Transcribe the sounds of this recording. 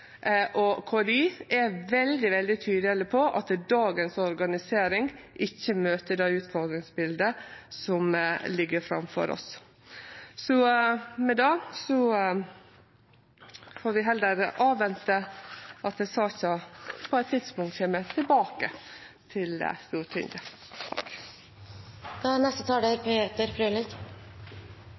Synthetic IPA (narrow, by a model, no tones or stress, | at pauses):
ʔɔkʰɔɑd̪iːɛʋɛld̪ɪʋɛld̪ɪt̪ʰyːd̪ɪɑləpʰɔʔɑt̪d̪ɑːɡənsɔɾɡɑnɪseːɾɪŋʔɪçːəmøːt̪əd̪ɑʉːt̪fɔɾd̪ɾɪŋsbɪld̪əsɔmlɪɡːəɾfɾɑ̰mfɔ̰ɾʔɔ̰s | sɔmɛd̪ɑːsɔ | foːɾʋɪɦɛld̪əɾʔɑːʋʋɛnt̪əʔɑt̪d̪ɛsɑːçɑpʰɔɛt̪ʰːɪd̪spʊŋt̪çɛmət̪ʰɪlbɑːkə | t̪ʰɪl̰st̪uːʈʰɪ̰nd̪ə | k | d̪̥ɑnɛst̪ət̪ʰɑːɖəɾpʰeːt̪əɾfɾølɪk